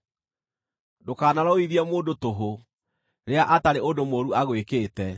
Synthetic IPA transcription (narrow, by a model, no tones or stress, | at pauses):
dokaːnaɾaoiðiɛmoːdotoɦo | ɾeaʔataɾeodomoːɾuaɣwekeːtɛ